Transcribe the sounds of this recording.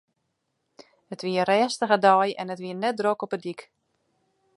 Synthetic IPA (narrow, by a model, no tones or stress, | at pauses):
ətʋiəəɾɛːstəɣədɔjɛ̰nətʋiənɛt̚drokɔpədik